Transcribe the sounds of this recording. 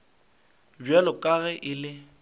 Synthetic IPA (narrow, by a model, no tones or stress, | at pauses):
bjalɔkʼaɣɛʔɪlɪ